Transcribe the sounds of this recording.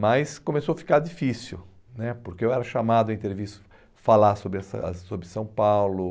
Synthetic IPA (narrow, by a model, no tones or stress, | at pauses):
majskõmesowɐfi̥kaɾdifisṵ | nɛpoɾkeewɛɾɐʃamad̪ʊĩt̪eɾvist̪ʊ̥ | falaɾsobɾɪɛsɐ̰sobɾɪsɐ̃w̃pawlʊ